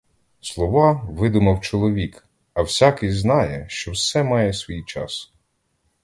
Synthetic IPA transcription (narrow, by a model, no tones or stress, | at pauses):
slˠɔʋɑʋɪd̪ʊmɐwt͡ʃɔlˠɔʋʲik | ɐwsʲakɪjznɑjɛʃt͡ʃɔwsɛmɑjɛsʲʋʲijt͡ʃɑ̰s